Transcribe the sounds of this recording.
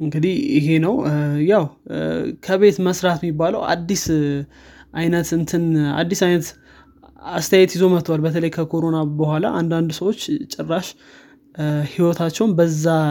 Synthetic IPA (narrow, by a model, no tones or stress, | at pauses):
ʔɨŋɡɨd̪ihjɪɦe̞nəwjaw | kʰəβe̞t̪məsɾat̪mːibːaləwa̰d̪ːis | ʔajnət̪ɨnt̪ʰɨna̰d̪ːisajnət̪ | ast̪ʰəjajɛt̪jɪzo̞mət̪ʰːwalbət̪ʰələjkʰəkʰo̞ɾo̞nabəhʷala̰ʔand̪and̪səwot͡ʃːt͡ʃʼɛrːaʃ | hiwɔt̪ʰat͡ʃːɛwnbəzːa